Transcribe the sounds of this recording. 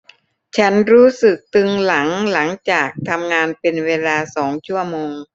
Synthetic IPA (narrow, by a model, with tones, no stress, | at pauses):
t͡ɕʰa˦˥nɾuː˦˥sɯ˨˩k̚t̪ɯ˧ŋla˩˦ŋla˩˦ŋt͡ɕaː˨˩k̚t̪ʰa˧mŋaː˧npe˧nweː˧laː˧sɔː˩˦ŋt͡ɕʰu˥˩ɐmoː˧ŋ